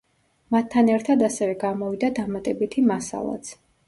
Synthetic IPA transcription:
mat̪ʰːanɛɾt̪ʰad̪asɛvɛɡamɔvid̪ad̪amat̪ʼɛbit̪ʰimasa̰lˠa̰t̪sʰ

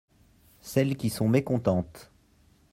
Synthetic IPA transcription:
sɛlkʲisɔ̃mekɔ̃t̪ɑ̃t̪

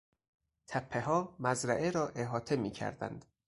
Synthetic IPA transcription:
t̪ʰæpʰːeɦɒːmæzɾæʔeɾɒːʔeɦɒːt̪ʰe̞miːcʰæ̰ɾd̪æ̰nd̪̥

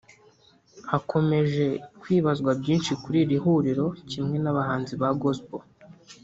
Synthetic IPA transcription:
hakʰo̞me̞ʒe̞kwiːβazɡwabɟiːnʃikuɾiːɾiɦuːɾiɾo̞cimŋe̞naβahaːnziβaɡosbo

